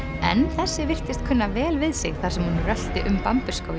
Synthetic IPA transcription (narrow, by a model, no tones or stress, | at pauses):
ɛ̰nθɛsːɪvɪr̥t̪ɪst̪kʰʏnːavɛːlvɪðsɪ̰ɣθaɾ̥sɛmhunrœl̥t̪ɪʔʏmpampʏskaw